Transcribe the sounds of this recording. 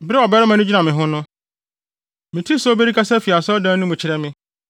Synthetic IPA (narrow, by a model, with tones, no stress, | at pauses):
bɾɪ˦ɔ˨bɛ˦ɾɪ˦mã˨nʊ̃˦d͡ʑi˦nã˨mɪ̃˨ɦʊ̃˦nʊ̃˦ | mɪ̃˨tʰi˦sɔ˦be˦ɾi˦kʰa˦sɛ˦fi˨a˨sɔ˦dãː˦nʊ̃˦mʊ̃˨t͡ɕʰɪ˦ɾɛ˦mɪ̃˦